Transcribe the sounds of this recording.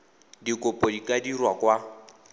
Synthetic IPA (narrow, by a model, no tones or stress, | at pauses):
dikʼʊpʼɔdikʼadirwakwa